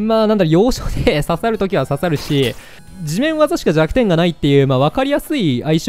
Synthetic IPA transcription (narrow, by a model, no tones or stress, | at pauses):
maːnãnd̪aɾɯjo̞ːɕo̥ːd̪esasaɾɯ̟t̪o̞kʲiβasasaɾɯ̟ɕi | d͡ʑimẽ̞ɰ̃βazaɕi̥kad͡ʑakɯ̟̥t̪ẽ̞ŋɡanait̪ːe̞jɯ̟ːmaːβ̞akaɾʲijasɨiaiɕ